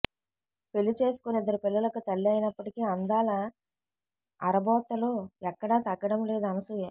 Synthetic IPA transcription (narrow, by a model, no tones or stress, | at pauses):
pe̞lːit͡ʃe̞ːsu̥kunid̪ːɐɾipilːɐlɐkut̪ɐɭːiɐjinɐpːɐʈikiːɐnd̪aːlɐ | ɐɾɐbɔːt̪ːɐluɛkːɐɽɐːt̪ɐɡːɐɽɐmle̞ːd̪uɐnɐsujeː